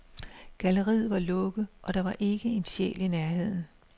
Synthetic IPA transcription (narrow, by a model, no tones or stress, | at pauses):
ɡ̥æləʁḭð̩̰ˠʋɑ̈lɔ̽ɡ̥əʔɒ̽d̥ɑ̈ʋɑ̈ʔe̝ɡ̥əe̝nɕḛlinæɐɦe̝ð̰ˠn̩